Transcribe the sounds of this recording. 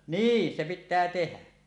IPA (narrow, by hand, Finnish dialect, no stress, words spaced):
niːn se pitːæː tehæ